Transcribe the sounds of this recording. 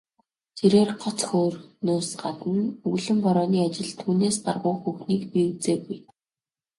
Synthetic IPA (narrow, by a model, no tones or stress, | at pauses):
t͡sʰeɾeːrɢɔt͡sxoːrnoːsɢat̪ə̆nɵɣɮɘ̆mpɔɾɔːniːat͡ɕɪ̆ɮt̪ʰuːneːsɢarʁʊːxuxniːkpiuwt͡seːɣuj